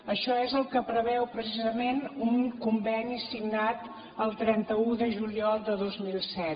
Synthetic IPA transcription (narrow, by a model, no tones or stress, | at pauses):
əʃɔezəlˠkəpɾəβɛwpɾəsizəmenuŋkumbɛnisiɡnat̪ | əlˠt̪ɾɛnt̪əuðəʒuliɔlˠd̪əðozmilˠsɛt̪